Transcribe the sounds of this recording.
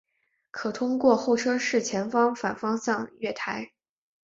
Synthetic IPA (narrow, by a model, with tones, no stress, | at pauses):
kʰɤ˨˩t̪ʰʊ˥ŋkwɔ˥˧xo˥˩ʊʈ͡ʂʰɤ˥ʂɻ̩˥˩t͡ɕʰjɛ˧˥nfɑ˥ŋfa˨˩nfɑ˥ŋsɑ˥˧ŋɥɛ˥˩t̪ʰa˧˥ɪ